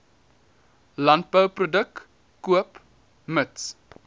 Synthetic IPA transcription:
lɐnt̚bəwprodəkː | uəp | məts

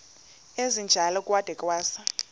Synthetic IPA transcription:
ezind͡ʒʱalɔkʼwad̥ʱɛkʼwaːsa

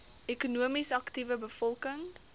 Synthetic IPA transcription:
ekunuəmisɐktivəbəfɔlˠkəŋ

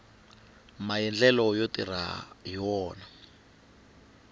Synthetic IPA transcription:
majɛnd͡ɮɛlɔjotira̰jiwɔːna

